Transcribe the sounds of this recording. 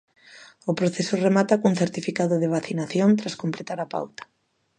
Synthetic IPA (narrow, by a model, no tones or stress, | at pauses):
ʊpɾoθesʊremat̪akuŋθeɾt̪ifikaðʊðɪβ̞aθinaθjont̪ɾaskomplet̪aɾapa̰wt̪ḁ